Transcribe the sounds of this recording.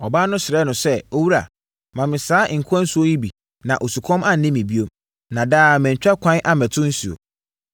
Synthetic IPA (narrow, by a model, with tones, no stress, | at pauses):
ɔ˨baː˦nʊ̃˦sɪ˨ɾɛ˦nʊ̃˨sɛ˦o˦wu˦ɾa̰˨ | mã˨mɪ̃˨saː˨˦ʔɪ˨ŋ̩˨kʰã˦n̩˦su˦o˦ji˦bi˨ | nã˨ʔo˨su˨kʰɔ̃˦ma˦n̩˨nɪ̃˦mɪ̃˨bi˦o˦m | nã˨daː˦˨mɛ̃˨ɲ̩˨t͡ɕᶣa˦kʰʷã˦nʔa˦mɛ̃˨tʰʊ̃˦n̩˦si˨o̰˨